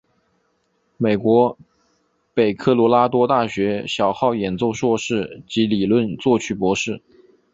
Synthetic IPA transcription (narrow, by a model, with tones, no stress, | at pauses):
me˨˩ɪkwɔ˧˥ | pe˨˩ɪkʰɤ˥˩lwɔ˧˥la˥t̪wɔ˥t̪a˥˩ɕɥɛ˧˥ɕjɑ˨˩ʊxɑ˥˩ʊjɛ˨˩nt͡so˥˧ʊʂwɔ˥˧ʂɻ̩˥˩t͡ɕi˧˥li˨˩lwə˥˧nt͡swɔ˥˧t͡ɕʰy˥˩pwɔ˧˥ʂɻ̩˥˩